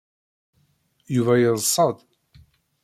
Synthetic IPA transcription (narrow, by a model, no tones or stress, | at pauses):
juvæjəðˤsˤːəd̪